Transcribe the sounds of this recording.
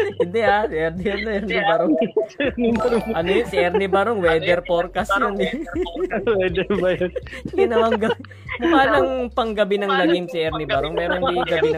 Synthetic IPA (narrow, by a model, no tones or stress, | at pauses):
ɪnd̪ɛasʔɛɾnɪɛnnɐʔɛɾnɪbɐɾo | ʔɐnojonsɪʔɛɾnɪbɐɾoŋwɛːd̪ɛɾpoɾkɐsjonɛ | wɛd̪ɛɾbɐjonkinɐmɐŋɡɐb | mʊwaːlɐŋpɐŋɡɐbɪnɐŋlɐŋɪnsɪʔɛɾnɪbɐɾoŋmɛːɾoŋiɡɐbiɐ